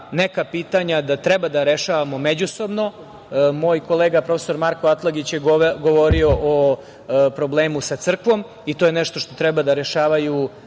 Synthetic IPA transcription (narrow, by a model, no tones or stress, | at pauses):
nekapiːt̪aɲad̪at̪ɾɛbad̪aɾeʃaʋamo̞med͡ʑuso̞bno̞ | mo̞ːjko̞leːɡapɾofe̥so̞ɾmaɾkoat̪lˠaɡit͡ɕjeɡoʋoɾioʔo | pɾo̞bleːmusat̪sr̩kʋo̞m | it̪ojenɛʃt̪oʃt̪o̞t̪ɾɛbad̪aɾeʃaːʋaju